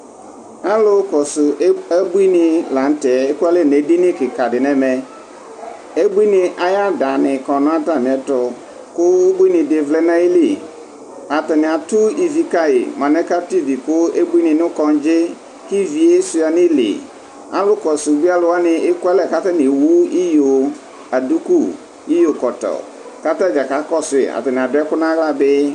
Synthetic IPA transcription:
a˦lʊ˦kɔ˨sʊ˨ɛ˦bu˦i˦nɪ̃˨la˨n̩˦tɛ˨e˦ku˦a˦lɛ˦˨ne˨di˦nɪ̃˦kɪ˨ka˨dɪ˨nɛ̃˦mɛ˨ | e˦bu˦i˦nɪ̃˨ʔa˨ja˦da˨nɪ̃˨kɔ˨nʊ̃˦a˦ta˨m˨ɛ˨tɔ˨ | kʊ˦ʊ˦bu˦i˦nɪ̃˨de˨vlɛ˦nã˦i˦li˦˨ | a˨tɛ˨nɪ̃˨a˨tʊ˦i˨vi˨ka˦ɪ̰˨mã˨nɛ˦ka˦ti˦˨vi˨kʊ˦e˦bi˦nɪ̃˨nʊ˦kɔ̃˨n˦d͡ʒɪ˦ | ki˦vi˨e˦sʊ˨a˨nɪ˦lḛ˨ | a̰˨lʊ˦kɔ˨su˨bi˦a˦lʊ˨wa˦nɪ˨ɪ˦kʊ˦ɛ˦lɛ˨ka˦ta˦nɪ˨wu˦i˦jo˨ | a˨du˦ku˦˨ | i˦jo˨kɔ˨tɔ̰˨ | ka˦ta˦d͡ʒa˨ka˨˦kɔ˦sʊ˨ɪ̰˨a̰˨tɛ˨nɪ̃˨a˨dʊ˦ɛ˦kʊ˦nã˦ɣla˦bɪ˦

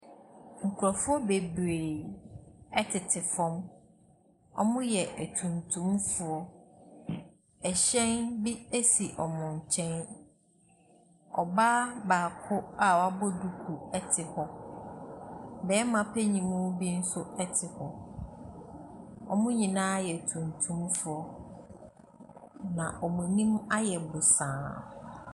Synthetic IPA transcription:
ŋ̩˨kʰu˨ɾɔ˨fʊ˦ɔ˦be˨bɾeː˨ | ɛ˦tʰɪ˨tʰɪ˨fɔ̃˦m | ɔ̰˦mʊ̃˦jɛ˨ʔæ˨tʰũ˨ntʰũ˦mfʊ˨ɔ˦ | ɛ˨ɕɛ̃˦nbi˦e˦si˨ʔɔ˨mʊ̃˨ɲ̩˨t͡ɕʰɛ̃˦n | ɔ̰˨ba˦baː˨kʰʊ˦a˦wa˦bɔ˦du˨kʰu˨ɛ˦tʰɪ˨hɔ˦ | bɛː˨˦mã˨pʰɛ˦ɲĩ˨mʊ̃˦bi˦n̩˦sʊ˦ɛ˦tʰɪ˨hɔ˨ | ɔ˨mʊ̃˦ɲĩ˨nãː˦jɛ˨tʰũ˨ntʰũ˦mfʊ˨ɔ˦ | nã˨ʔɔ˨mʊ̃˨nĩ˦ma˦jɛ˨bʊ˨sãː˨

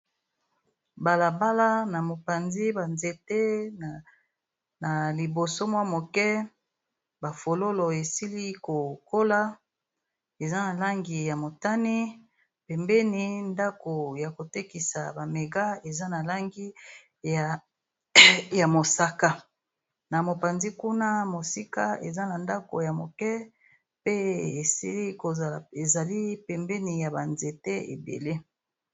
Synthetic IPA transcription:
ba˨la˨ba˦la˦na˨mo˨pa˨nzi˦ba˨nze˨te˦ | na˨li˨bo˨so˦mwa˦mo˨kɛ˦ | ba˨fo˨lo˦lo˨e˨si˦li˦ko˨ko˦la˦ | e˨za˦na˨la˦ŋɡi˨ja˨mo˨ta˦ni˦ | pɛ˨mbɛ˦ni˦nda˦ko˨ja˨ko˨te˦ki˨sa˨ba˨me˨ɡa˦e˨za˦na˨la˦ŋɡi˦˨ | ja˨mo˨sa˦ka˦ | na˨mo˨pa˨nzi˦ku˦na˦mo˨si˦ka˦ḛ˨za˦na˨nda˦ko˨ja˨mo˨kɛ˦ | pe˦e˨si˦i˦ko˨za˨la˨e˨za˨li˦pɛ˨mbɛ˦ni˨ja˨ba˨nze˨te˦ḛ˨bḛ˨le˦

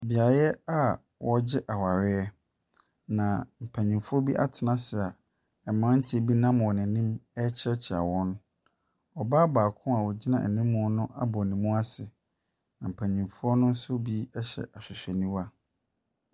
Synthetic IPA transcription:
bi˨a˨ɾɛ˦a˦ | wʔɔ˦d͡ʑɪ˦ʔa˨wa˨ɾɪ˦ɛ˦ | nã˨m̩˨pʰæ̃˨ɲĩ˨mfʊ˦ɔ˦bi˦ʔa̰˦tʰɪ˨nã˦sɪ˨a˨ | ɛ˨mã˦n̩˦tʰɪ˦˨bi˦nã˦m˨wɔ˨nɪ̃˨nĩ˦mɛ˦t͡ɕʰɛ˦t͡ɕʰɪ˨a̰˨wɔ̃˦n | ɔ˨baː˦baː˨kʰʊ̃˦ma˨wɔ˨d͡ʑi˦nã̰˨nĩ˦mːʊ̃˦nʊ̃˦ʔa̰˦bɔ˨nĩ˨mːũ˦a˦sɪ˨ | nã˨m̩˨pʰæ̃˨ɲĩ˨mfʊ˦ɔ˦nʊ̃˦n̩˦sʊ˦bi˦ɛ˦ɕɛ̰˨ʔa˨ɕᶣɪ˨ɕᶣɛ˨nĩ˦wa˨

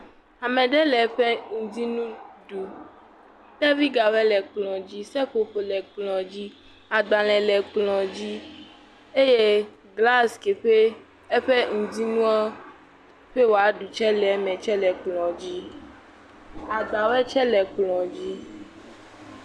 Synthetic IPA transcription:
a˨mɛ̃˨ɖɛ˦lɛ˨ɸe˦ŋũ˨di˦nũ˦ɖu˨ | da˦vi˦ɡa˨wɛ˦lɛ˨k͡plɔ̃˨d͡ʑi˦sɛ˦ɸo˨ɸe˨lɛ˨k͡plɔ̃˨d͡ʑi˦ | a˨ɡ͡ba˨lɛ˨lɛ˨k͡plɔ̃˨d͡ʑi˦ | e˦je˦ | ɡla˦ske˨ɸe˦ | e˦ɸe˦ŋũ˨di˦nũ˦a˦ | ɸe˦wo˨a˨˦ɖu˨t͡ʃɛ˦lɛ˨˦mɛ̃˨t͡ʃɛ˦lɛ˨k͡plɔ̃˨d͡ʑi˦ | a˨ɡ͡ba˨wɛ˦t͡ʃɛ˦lɛ˨k͡plɔ̃˨d͡ʑi˦

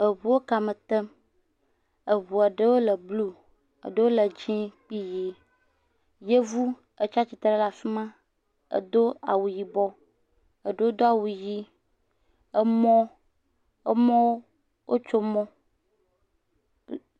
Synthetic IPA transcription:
ə˨βu˨wo˦ka˨mə˨t̪ə˦m | ə˨βu˨a˨ɖə˦wo˦lə˨blu˦ | ə̰˨ɖə˦wo˦lə˨d͡ʑĩ˦k͡pi˦ji˦ | je˦vu˦ | ə˨t͡ʃa˦t͡ʃi˨t̪ɾe˦la˨fi˦mã˦ | ə̰˨d̪o˦a̰˨wu˨ji˨bɔ˦ | ə˨ɖə˦wo˦d̪o˦a˨wu˨ji˦ | ə˦mɔ̃˦ | e˦mɔ̃˦wo˦ | wʔo˦t͡ʃo˦mɔ̃˦

